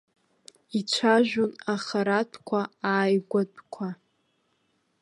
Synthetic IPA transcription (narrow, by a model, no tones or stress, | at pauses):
it͡ʃʷʰaʒᶣonaχaɾatʰkʷʰaaːjɡʷadʼkʷʰa